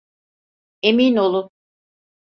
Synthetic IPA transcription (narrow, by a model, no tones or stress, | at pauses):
emino̞lˠu